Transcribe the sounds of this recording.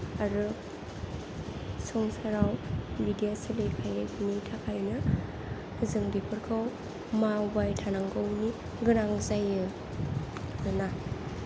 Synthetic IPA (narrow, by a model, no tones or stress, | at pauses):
aɾɯ | sɔŋsaɾawbiɡaselekʰajakʰinitʰakʰajnɯ | zɯŋbipʰɯɾkʰɯw | mabajtʰanaŋɡɯwni | ɡɯnaŋzajɯ | ɯna